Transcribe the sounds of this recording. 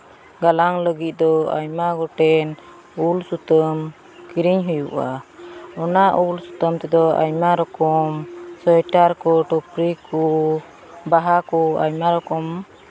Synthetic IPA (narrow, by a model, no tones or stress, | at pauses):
ɡalaŋləɡit̪̚d̪ɔa̰ɲmaɡɔʈɛn | ulsut̪əm | kiɾiɲɦujṵʔa̰ɔnaʔulsut̪əmt̪ɛd̪ɔa̰ɲmaɾɔkɔmsɔjʈaɾkɔʈɔpɾiku | baɦakɔa̰ɲmaɾɔkɔm